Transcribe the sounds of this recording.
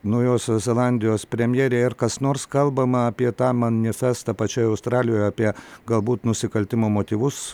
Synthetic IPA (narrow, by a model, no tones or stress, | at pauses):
nɐʊjoːsʲozʲɛlˠɑnʲd̪ʲɪjoːspʲɾʲɛmʲjeːɾʲeːɪɾkɐsnoːɾskɐlˠbɐmɐɐpʲiɛt̪ɑːmɐnʲɪfʲæst̪ɐpɐt͡ʃʲoːjɐʊst̪ɾɑːlʲɪjoːjɐːpʲiɛɡɐlˠbuːt̪nʊsʲɪkɐlʲt̪ʲɪmoːmoːt̪ʲiːʋʊs